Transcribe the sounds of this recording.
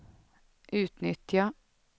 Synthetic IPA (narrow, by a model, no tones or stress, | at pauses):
ʔʉːt̪nʏt̪ɑ